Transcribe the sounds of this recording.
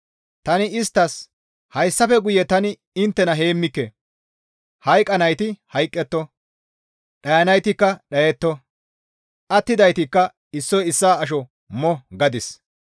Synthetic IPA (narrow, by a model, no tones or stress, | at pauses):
t̪ɐnɪɪst̪ːɐs | hɐjsːɐfɛɡʊjɛt̪ɐnɪ | ɪnt̪ːɛnɐɦe̞ːmːɪkːɛ | hɐjkʼːɐnɐjt̪ɪhɐjkʼːɛt̪ːɔ | ɗɐjɐnɐjt̪ɪkːɐɗɐjɛt̪ːɔ | ʔɐt̪ːɪd̪ɐjt̪ɪkːɐ | ɪsːɔjɪsːaːɐʃ̬ɔ | mɔɡɐd̪ɪs